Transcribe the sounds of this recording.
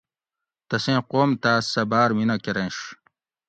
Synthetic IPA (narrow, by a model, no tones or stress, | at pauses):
t̪ɐsẽːqoːmt̪aːsɐbaːɾminɐkeɾẽːɕ